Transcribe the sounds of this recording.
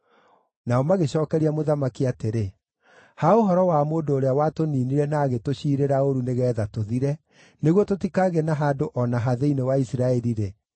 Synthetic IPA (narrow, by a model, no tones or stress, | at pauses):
naɔmaɣeɕɔːkɛɾiamoðamakiateɾe | haoɦɔɾɔwamoːndoːɾeawatoniːniɾɛnaːɣetoɕiːɾeɾaoɾuneɣɛːðatoðiɾɛ | neɣwɔtotikaɣenaɦadoʔɔnaɦaðeinewaisiɾaɛɾiɾe